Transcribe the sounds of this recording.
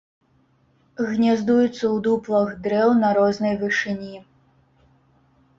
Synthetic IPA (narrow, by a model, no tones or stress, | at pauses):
ɣnʲazd̪ujut̪sːɐwd̪uplˠɐɣd̪ɾɛwnɐɾɔznɐjvɨʂɨnʲi